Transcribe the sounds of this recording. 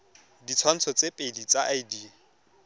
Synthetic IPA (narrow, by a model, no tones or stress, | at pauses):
dit͡sʰwan̩t͡sʰɔt͡sʼepʼedit͡sʼaʔajdi